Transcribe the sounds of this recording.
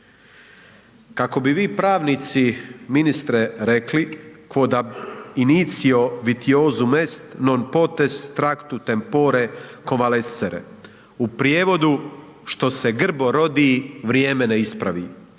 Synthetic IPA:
kako̞biʋiːpɾaːʋnit̪siminist̪ɾeɾe̞klikʋod̪ainit̪sio̞ʋit̪ioːzume̞st̪no̞npo̞t̪ez̥t̪ɾakt̪ut̪empoːɾekonʋaleseɾḛ | upɾjeːʋo̞d̪u | ʃt̪o̞se̞ɡr̩bo̞ɾo̞d̪iːʋɾjeːme̞neispɾa̰ʋḭː

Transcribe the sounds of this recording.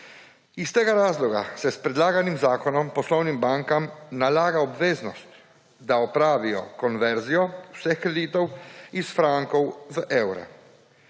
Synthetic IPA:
ist̪ɛːɡaɾaːzlɔɡasɛspɾɛd̪laːɡanimzaːkɔnɔmpɔslɔwnimbaŋkamnalaːɡaɔbʋeːznɔst̪ | d̪aɔpɾaːʋijɔ̰kɔnʋɛɾzijɔwsɛxkɾɛd̪iːt̪ɔwisfɾaŋkɔwvəʔɛwɾa̰

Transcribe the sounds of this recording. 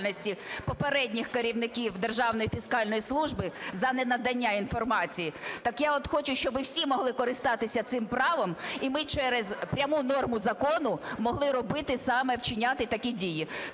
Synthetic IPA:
lnɔsʲtʲipɔpeɾɛdʲnʲixkɐɾʲiwnɪkʲiwd̪erʒɑwnɔjifʲiskɑlʲnɔjislˠuʒbɪzɐnɛnɐd̪ɐnʲːain̪fɔrmɑt͡sʲijit̪ɑkjaɔt̪xɔt͡ʃʊʃt͡ʃɔbɪwsʲimɔɦlˠɪkɔɾɪst̪ɑt̪ɪsʲɐt̪sɪmpɾɑʋɔmimɪt͡ʃɛɾezpɾʲɐmunɔrmʊzɐkɔnʊmɔɦlˠɪɾɔbɪt̪ɪsɑmɛwt͡ʃɪnʲɑt̪ɪt̪ɐkʲidʲiji

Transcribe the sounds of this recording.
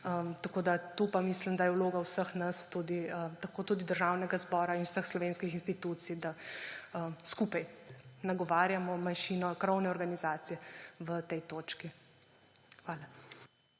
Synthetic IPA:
ət̪akoːd̪at̪upamislimd̪ajɛwloːɡawsəxnast̪uːd̪iət̪akoːt̪uːd̪id̪əɾʒawnɛɡazbɔːɾainu̥səxslɔʋeːnskixinst̪it̪uːt̪sijd̪aəskuːpajnaɡɔʋaːɾjamɔmanʃiːnɔkɾɔwnɛɔɾɡanizaːt̪sijɛʋət̪ɛjt̪oːt͡ʃki | xʋaːla

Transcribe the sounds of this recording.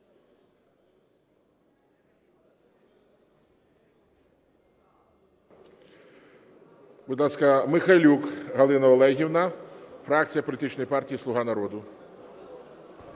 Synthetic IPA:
bʊd̪lˠaskɐmɪxalʲukɦɐlˠɪnɐɔlˠɛjɦʲiwnafɾak̚t̪sɨjɐpɔlʲt̪ɪt͡ʃnɔjpartʲijːislˠʊɦanɐɾɔd̪ʊ

